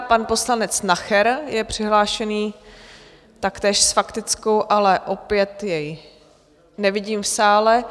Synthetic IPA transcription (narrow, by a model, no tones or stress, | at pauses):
panpo̞slanɛt͡snaxɛɾjɛpr̥ɪɦlaːʃɛniː | t̪akt̪ɛːʃsfakt̪ɪt͡skowʔalɛʔo̞pjɛt̪jɛj | nɛvɪɟiːmfsaːlɛ